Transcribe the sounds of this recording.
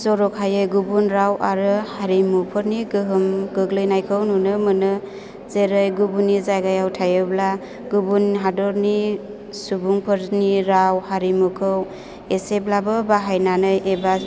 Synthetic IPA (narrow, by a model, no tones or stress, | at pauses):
zɔɾɔkhajɯjɡubunɾawʔaɾɯhaɾimupʰɯɾniɡɯɦɯmɡɯɡlɯjnajkʰɯwnunɯmɯnɯ | zeɾɯjɡubunːizajɡajawtʰajɯbla | ɡubunɦadɔɾni | subuŋpʰɯɾniɾawhaɾimukʰɯw | eseplabɯbaɦajnanɯjʔeba